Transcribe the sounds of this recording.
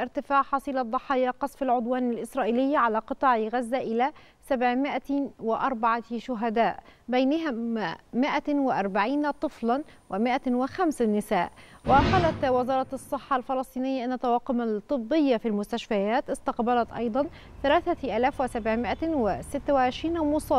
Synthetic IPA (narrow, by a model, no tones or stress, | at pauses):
ʔɪɾt̪ɪfaːʕħɑsˤiːlɑd̪ˤːɑħɑːjaqɑsˤfalʕʊd̪waːnalʔɪsɾˤɑːʔiːlɪjːaʕalaːqɨt̪ˤɑːʕjɣazːaʔɪlæː | sabʕmɪʔawɪʔɑɾˤbɑʕɑʃʊɦad̪aːʔbajnaɦammɪʔawɪʔɑɾˤbaʕiːnt̪ˤɨflɑnwɪmɪʔawɪxamsnːɪsaːʔwɪqɑːlat̪wɪzɑːɾˤɑɑsˤːɨħːɑlfɑlɑsˤt̪ˤiːnɪjːaʔɪnːat̪ːɑwɑːqʊmat̪ˤːɨbːɪjːafilmʊst̪aʃfajaːt̪ɪst̪ɑqbalæt̪ʔɑ̰jd̪ˤɑn | θalaːθaʔaːlaːfwɪsabʕmɪʔawɪsɪt̪ːawɪʕɪʃɾiːnmʊsˤɑː